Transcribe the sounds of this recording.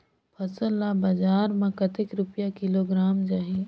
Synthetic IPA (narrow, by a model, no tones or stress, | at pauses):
pʰɐsəlːabɐd͡ʒaːɾmãkɐt̪ɪkɾʊpjakɪloɡɾaːmd͡ʒaːɦi